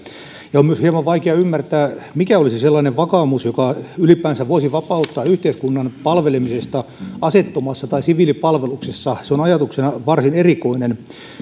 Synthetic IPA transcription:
jɑomyøshiemɑʋʋɑikeɑymːært̪æːmikæolisiselːɑːneʋʋɑkɑːmusjokɑylipæːnsæʋʋoisiʋɑpɑut̪ːɑːyht̪eiskunːɑnpɑlʋelemisest̪ɑɑset̪ːomɑsːɑt̪ɑisiʋilipɑlʋeluksesːɑseonɑjɑt̪uksenɑʋɑrsinerikoinen

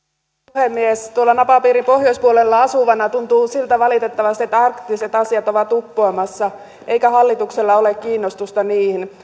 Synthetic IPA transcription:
puhemːiest̪uolːɑnɑpɑpiːɾimpohjoispuolelːɑɑsuʋɑnɑt̪unt̪uːsilt̪æʋɑlit̪et̪ːɑʋɑst̪iet̪ːæɑrkt̪ːiset̪ɑsiɑt̪oʋɑt̪upːoːmɑsːɑ | ʔeikæhɑlːit̪ukselːɑolekkiːnːost̪ust̪ɑniːhin

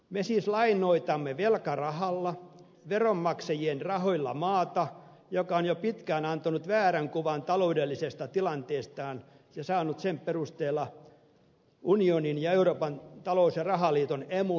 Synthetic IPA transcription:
mesiːslɑinoit̪ɑmːeʋelkɑrɑhɑlːɑ | ʋeromːɑksejienrɑhoilːɑ̰mɑːt̪ɑ | jokɑonjopit̪kæːnɑnt̪onut̪ʋæːræŋkuʋɑnt̪ɑloudelːisest̪ɑt̪ilɑnt̪eːst̪ɑːn | jɑsɑːnut̪sempperust̪eːlːɑ | unioninjɑeuroːpɑnt̪ɑlousjɑrɑhɑliːt̪onemu

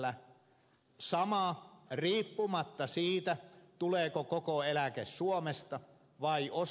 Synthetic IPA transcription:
æ | sɑmɑriːpːumɑt̪ːɑsiːt̪æt̪uleːkokokoelækessuomest̪ɑ | ʋɑiʔos

